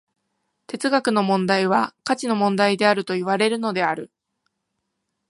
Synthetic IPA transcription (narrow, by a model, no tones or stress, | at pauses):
t̪e̞t͡sɨɡakɯ̟no̞mõ̞nd̪aiβ̞akat͡ɕino̞mõ̞nd̪aid̪e̞aɾɯ̟t̪o̞iβ̞aɾe̞ɾɯ̟no̞d̪e̞aɾɯ̟